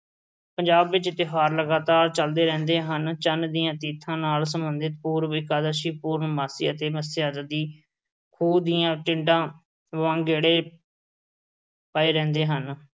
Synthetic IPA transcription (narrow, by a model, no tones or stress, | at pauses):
pəɲd͡ʒaːbʋɪt͡ʃt̪ɪɦaːɾləɡaːt̪aːɾt͡ʃəld̪eːɾɛ̃ːnd̪eːɦənt͡ʃənd̪ijãːt̪iːt̪ʰːãːnaːlsəmbənd̪ɪt̪̚puːɾʋɪkaːd̪əʃiːpuːɾɳmaːsḭːət̪eːməsɪjaːd̪əd̪iː | kʰuːd̪ijãːʈɪ̃ɳɖãː | ʋʋãːŋɡeːɽeː | paːeːɾɛ̃ːnd̪eːɦən